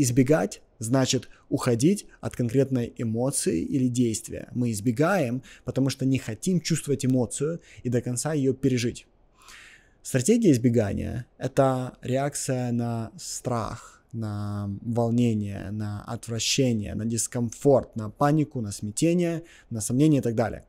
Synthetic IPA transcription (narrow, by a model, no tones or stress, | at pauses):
ɪzbʲɪɡatʲ | znat͡ɕɪt̪ʊxɐdʲitʲɐt̪kɐnkɾʲe̞t̪nəjɪmo̞t̪sɨɪ̰ʔilʲɪdʲejst̪vʲɪ̰jə̰mɨɪzbʲɪɡajɪmpət̪ɐmuʂt̪onʲɪxɐtʲimt͡ɕust̪vəvətʲɪmo̞t̪sɨjʊid̪əkɐnt̪sajɪjopʲɪɾʲɪʐɨtʲ | st̪ɾɐtʲeɡʲɪjəɪzbʲɪɡanʲɪ̰jə̰ɛt̪əɾʲɪak̚t̪sɨjənɐst̪ɾa̰x | nɐvɐlˠnʲenʲɪjə̰nɐɐ̰t̪vɾɐɕːenʲɪ̰jə̰nədʲɪskɐnfo̞rt̪nɐpanʲɪkʊnəsmʲɪtʲenʲɪjə | nəsɐmnʲenʲɪjəɪt̪aɡ̚d̪alʲɪ̰ə̰